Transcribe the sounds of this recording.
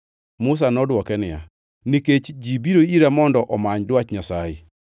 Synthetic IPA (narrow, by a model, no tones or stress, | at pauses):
mʊs̬anɔdwɔkɛnɪja̰ | niket͡ʃd͡ʒibiɾoiɾamɔndɔʔɔmaɲdwat͡ʃɲasajɪ̰